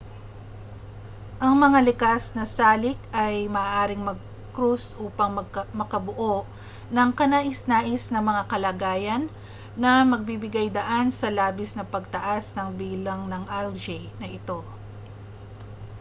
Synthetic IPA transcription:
ʔɐŋmɐŋalɪkasnɐsaːlɪkɐjmɐʔaːʔaːɾɪŋmɐɡ̚ | kɾusʔuːpɐŋmɐkɐbʊʔoʔ | nɐŋkɐnaːʔɪsnaːʔɪsnɐŋmɐŋakɐlaːɡaːjɐnː | ɐmɐɡ̚bibɪɡajd̪ɐʔansɐlaːbɪsnɐpɐɡ̚t̪ɐʔasnɐŋbiːlɐŋnɐŋʔald͡ʒɛnɐʔɪt̪o̞

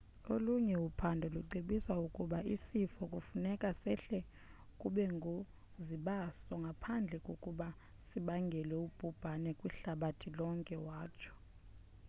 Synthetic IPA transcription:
oluɲɛupʰandʱɔluǀiɓiswaukʼuɓaisifɔkʼufunɛkʼasɛɬɛ | kʼuɓɛŋɡʱo | ziɓasɔŋɡʱapʰand͡ɮʱɛkʼokʼuɓa | siɓaŋɡʱɛlɛub̥ʱub̥ʱanɛkʼwiɬaɓatʰilɔŋkʼɛwaːt͡ʃʰɔ̥

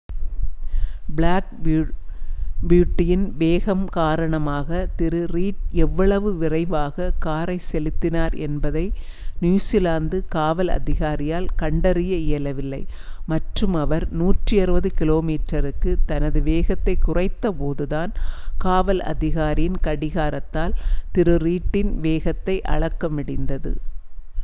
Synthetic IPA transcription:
bɪɭaːk | bjuːʈːɪjɪnʋeːɣɐmkaːɾɐɳɐmaːɣɐt̪ɪɾɯriːʈɛʋːɐɭɐʋɯʋɪrɐɪʋaːɣɐkaːɾɐɪsɛlɪt̪ːɪnaːɾɛ̰nbɐðɐɪ | nuʊsɪlaːnd̪ɯkaːʋɐlɐ̰ðɪɣaːɾɪjaːlkɐɳɖɐɾɪjɐɪjɐlɐʋɪlːɐɪ | mɐʈrɯmɐʋɐɾnuːʈrɯɐɾɯʋɐðɯkɪloːmiːʈɾɐɾɯkːɯt̪ɐnɐðɯʋeːɣɐt̪ːɐɪkːʊrɐɪt̪ːɐpoːðɯðaːnkaːʋɐlɐ̰ðɪɣaːɾɪjɪnkɐɽɪɣaːɾɐt̪ːaːlt̪ɪɾɯɾiːʈːɪnʋeːɣɐt̪ːɐɪʔɐ̰ɻɐkːɐmɪɽɪnd̪ɐðɯ̰

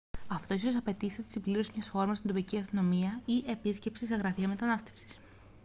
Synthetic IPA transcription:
ɐft̪o̞iso̞sɐpe̞t̪iθt̪i̥sibliɾosimɲɐsfo̞ɾmɐst̪ind̪opiciɐst̪ino̞miɐie̞pisce̞psiseɣɾɐfiɐme̞t̪ɐnɐst̪e̞̥fsi̥s

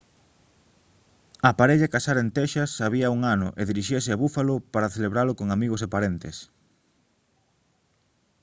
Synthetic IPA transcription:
apaɾeʎakasaɾent̪eʃɐsaβiɐuŋanʊ̰ʔeðiɾiʃesɪaβufalʊpaɾaθeleβɾalʊkoŋamiɣosepaɾent̪es

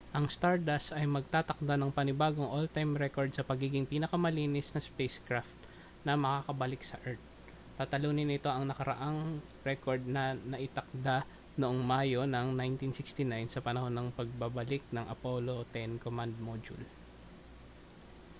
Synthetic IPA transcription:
ʔɐŋst̪aɹd̪ɐsɐjmɐɡ̚t̪aːt̪ɐk̚d̪anɐŋpɐnɪbaːɡoŋʔolt̪ajmɾɛko̞ɹd̪̚sɐpɐɡiːɡɪŋpiːnɐkɐmɐliːnɪsnɐspejskɹaft̪̚ | nɐmɐkaːkɐbɐlɪk̚sɐʔɛɹt̪̚ | t̪aːt̪ɐluːnɪnɪt̪o̞ʔɐŋnɐkɐɾɐ̰ʔaŋ | ɾɛko̞ɹd̪̚nɐnɐʔɪt̪ɐk̚d̪a | noʔoŋmaːjo̞nɐŋnajnt̪insɪkst̪inajnsɐpɐnɐho̞nːɐŋpɐɡ̚bɐbɐlɪk̚nɐŋʔɐ̰po̞lo̞t̪ɛnkomand̪̚mod͡ʒʊ̰l

